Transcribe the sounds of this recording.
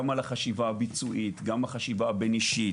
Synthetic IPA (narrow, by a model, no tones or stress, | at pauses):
amalaχaʃivaːbit͡suʔit̪ɡamaχaʃivaːbeniʃi